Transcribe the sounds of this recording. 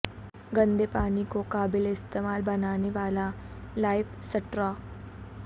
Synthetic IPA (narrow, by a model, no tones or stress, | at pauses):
ɡənd̪ʱepaːnikokaːbileist̪emaːlbənaːneʋaːla | lajfsəʈɾa